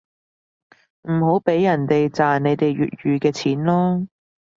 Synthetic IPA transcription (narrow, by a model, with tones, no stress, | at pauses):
m̩˨˩ho˨˥wpe˨˥jːɐ˨˩nt̪e˨jt͡saː˨nne˨˧jt̪e˨jɥy̰ː˨t̚ɥyː˨˧kɛː˧t͡sʰiː˨˥nlɔː˥